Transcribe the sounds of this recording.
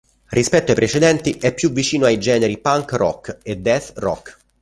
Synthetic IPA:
rʔispɛt̪ːoaepɾet͡ʃed̪ɛnt̪iʔɛpːjuvːit͡ʃiːnoajd͡ʒɛːneɾipaŋkrɔ̰kːed̪ːɛθrɔ̰kː

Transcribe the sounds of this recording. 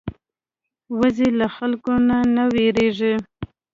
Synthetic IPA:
wazelaxalkonanaweɾeʐe

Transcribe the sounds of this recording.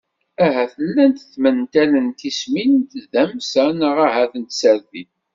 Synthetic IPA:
æɦæθəlːænt̪əθmənt̪ælənt̪isminənt̪ðæmsænəʁaɦæθənt̪səɾðiθ

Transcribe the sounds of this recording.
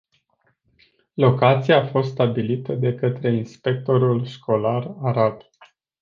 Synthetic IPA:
lo̞kat̪sijaːfo̞st̪st̪abilit̪əd̪e̞kət̪ɾe̞inspe̞k̚t̪o̞ɾulʃkʰo̞laraɾat̪

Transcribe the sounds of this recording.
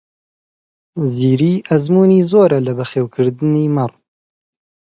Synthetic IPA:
ziːɾiːʔɐzmuːniːzoːɾɐlɐbɐxeːwkʰɨɾd̪ɨniːmɐr

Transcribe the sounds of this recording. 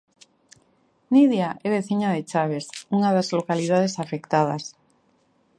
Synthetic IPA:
niðjaʔɛβeθiɲaðet͡ʃaβ̞esuŋaðazlokaliðað̞esafekt̪að̞as

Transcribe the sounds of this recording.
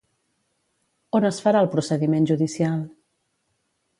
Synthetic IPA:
onəsfəɾaəlˠpɾusəðimenʒuðisialˠ

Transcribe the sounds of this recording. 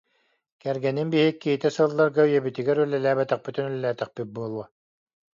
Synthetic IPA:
kɛɾɡɛninbiɦikːiɦit̪ɛsɯlˠːaɾɡayjɛbit̪iɡɛɾylːɛlæːbɛt̪ɛχ̚pyt̪ynylɛlæːt̪ɛχpyt̪̚buɔlˠuɔ

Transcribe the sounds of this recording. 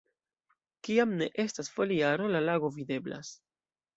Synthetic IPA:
kiamne̞ʔe̞stasfo̞liaɾo̞lalaɡo̞vide̞bla̰s

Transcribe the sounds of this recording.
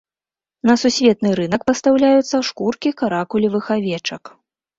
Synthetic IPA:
nɐsusʲvʲɛt̪̚nɨɾɨnɐkpɐst̪awlʲajut̪sːɐʂkurkʲikaɾakulʲivɨxavʲɛt͡ʂɐk

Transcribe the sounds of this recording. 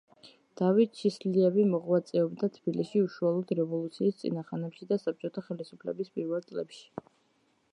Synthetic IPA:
d̪̥avit̪̚t͡ʃʰisliɛvimɔʁwat̪sʼɛɔbd̪at̪ʰb̥iliʃiuʃualˠɔd̪ɾɛvɔlˠut̪sʰiːst̪sʼḭnaχanɛpʃid̪asap̚t͡ʃʼɔt̪ʰaχɛlisupʰlɛ̰bispʼiɾvɛlˠt̪sʼlɛpʃi̥

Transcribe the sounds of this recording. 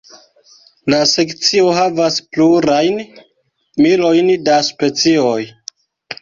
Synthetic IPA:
lase̞kt͡sio̞ɦavaspluɾajn | milo̞jndaspe̞t͡sio̞j

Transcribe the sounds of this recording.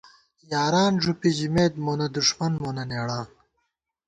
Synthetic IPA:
jaːɾaːnʐupiʑimeːd̪̚moːnɐd̪uʂmɐnmoːnɐneːɽaːn

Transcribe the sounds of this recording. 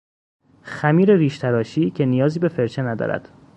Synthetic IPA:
xæmiːɾeɾiːʃt̪ʰæɾɒːʃiːcʰe̞nijɒːziːbe̞feɾt͡ʃʰenæd̪ɒ̰ːɾæ̰d̪̥

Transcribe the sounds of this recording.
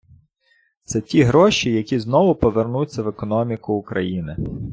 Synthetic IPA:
t̪sɛtʲiɦɾɔʃijɐkʲiznɔʋʊpɔʋernut͡sʲːɐʋekɔnɔmʲikʊːkɾɐ̰jinɪ

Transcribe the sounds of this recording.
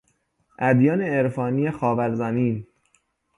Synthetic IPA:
ʔæd̪jɒːneeɾfɒːniːjexɒːvæɾzæmiːn

